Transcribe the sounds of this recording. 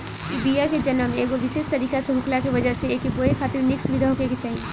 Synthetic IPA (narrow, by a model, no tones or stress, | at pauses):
ibijaked͡ʒənəmẽeːɡoʋɪseːst̪ɐɾiːkaseɦʊklakeʋəd͡ʒəseeːkiboekʰaːt̪ɪɾnɪksuʋɪd̪ʱaɦokeket͡ʃaːɦie